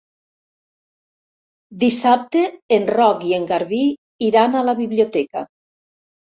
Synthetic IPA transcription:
d̪isap̚t̪eːnrɔkieŋɡaɾβi | iɾanalaβiβliot̪ɛka̰

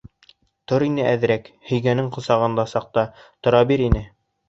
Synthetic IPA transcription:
t̪oɾinɘʔæð̆ɾæk | hɵ̆jɡænɘŋqŏsɑʁɤ̆nd̪ɑsɑq̚t̪ɑt̪ŏɾɑbiɾinɘ

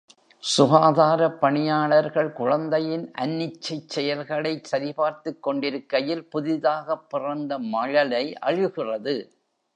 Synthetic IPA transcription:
sʊɣaːðaːɾɐpːɐɳɪjaːɭɐɾɣɐɭkʊɻɐnd̪ɐjɪnʔɐ̰nːɪt͡ʃːɐɪt͡ʃːɛjɐlɣɐɭɐɪsɐɾɪpaːɾt̪ɯkːɔɳɖɪɾɯkːɐjɪlpʊðɪðaːɣɐpːɪrɐnd̪ɐmɐɻɐlɐɪʔɐ̰ɻɯɣɪrɐðɯ

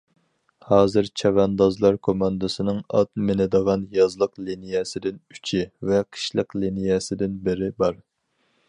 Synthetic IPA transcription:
hɑːzɨɾt͡ʃʰɛvɛnd̪ɑzlˠɑɾkʰomɑnd̪ɨsɨnɨŋɑt̪mɪnɪd̪əʁɑnjɑzlˠəqlinijɛsɪd̪ɪny̥t͡ʃʰivɛqʰə̥ʃlˠəqlinijɛsɪd̪ɪnbɪɾɪbɑɾ

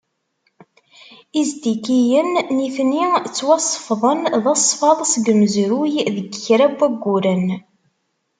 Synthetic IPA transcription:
izd̪ikijənːiθnit͡sːwɑsˤːə̥fðˤənðɑsˤːfɑðˤsɡəməzɾujðəɡçɾæbʷːæɡʷːuɾən

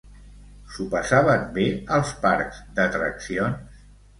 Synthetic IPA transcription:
supəsaβəmbeəlˠspaɾkz̥d̪ət̪ɾəksions

